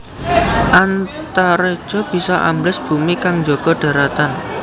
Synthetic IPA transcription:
ʔant̪aɾe̥ʒ̥ɔ̤b̥i̤sɔʔa̰mblɪsb̥ṳmikaŋd͡ʒoɡ̥ɔ̤ɖ̥ä̤ɾat̪an

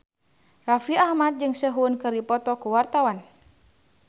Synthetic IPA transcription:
rafiahmat̪̚d͡ʒɨŋsəɦunkɨrdipɔt̪ɔkuwart̪awan

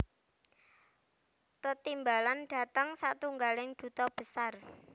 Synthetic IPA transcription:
t̪ət̪imbalanɖ̥a̤t̪əŋsa̰t̪uŋɡalɪŋd̪̥ṳt̪ɔb̥ə̤sar

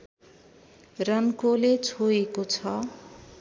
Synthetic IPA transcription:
rʌnkolet͡sʰoekot͡sʰʌ

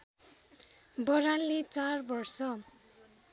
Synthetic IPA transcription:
bʌɾanlet͡sarbʌrsʌ

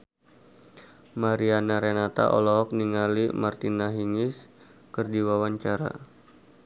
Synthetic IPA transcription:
maɾianaɾenat̪a̰ʔɔ̰lɔɦɔk̚niŋalimart̪inaɦiŋɪs | kərdiwawaɲt͡ʃaɾa̰

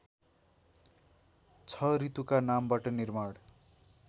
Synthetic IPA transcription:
t͡sʰʌɾit̪ukanambaʈʌnirmaɽ

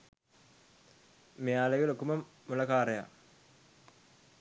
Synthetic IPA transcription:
mejaːleɡelokːumɐmːulɐkaːɾɐja̰

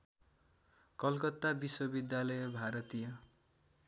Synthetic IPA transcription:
kʌlkʌt̪ːabiswʌbid̪jalʌjʌbʱaɾʌt̪ijʌ

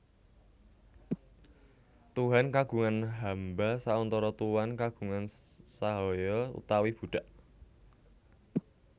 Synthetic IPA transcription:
t̪uɦankaɡ̥ṳŋanɦambasaɔnt̪ɔɾɔt̪uwankaɡ̥ṳŋansaɦɔjɔṵt̪awib̥ṳɖ̥a̤ʔ

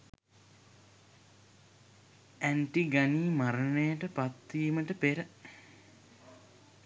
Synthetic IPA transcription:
æɳʈiɡaniːmaɾənəjəʈəpat̪ːiːməʈəpeɾə

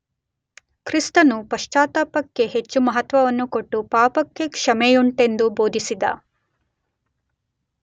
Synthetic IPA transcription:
kɾist̪ɐnupɐʂt͡ʃaːt̪aːpɐkːe̞ɦe̞t͡ʃːumɐɦɐt̪ʋɐʋɐnːukoʈːupaːpɐkːe̞kʂɐmejuɳʈe̞nd̪ubo̞ːd̪ʱisid̪ɐ̰

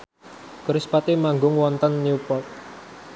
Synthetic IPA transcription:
kəɾɪspat̪imaŋɡʊŋwɔnt̪ɔnːiupɔt̪̚

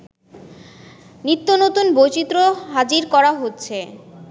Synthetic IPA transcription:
nit̪ːonot̪unbojt͡ɕit̪ːɾoɦad͡ʑiɾkɔɾaɦotːɕʰe

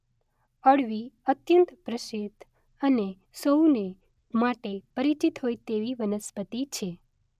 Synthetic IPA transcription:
əɽʋiət̪jənt̪pɾəʃet̪ | əne | sowne | maʈepəɾit͡ʃit̪ɦojt̪eʋiʋənəspət̪it͡ʃʰe

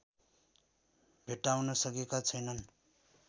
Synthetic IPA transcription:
bʱeʈːawnʌsʌkekat͡sʰʌjnʌn

